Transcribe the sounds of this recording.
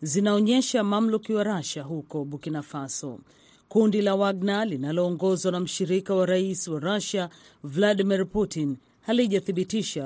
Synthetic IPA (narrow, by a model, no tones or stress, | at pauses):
zinaɔɲɛʃamam̩lukiwaɾaʃaɦukɔɓukinafasɔ̰ | kundilawaɡ̚nalinalɔːŋɡɔzwanam̩ʃiɾikawaɾaisiwaɾaʃa | vlaɗimiɾputin | haliʄaθiɓitiʃa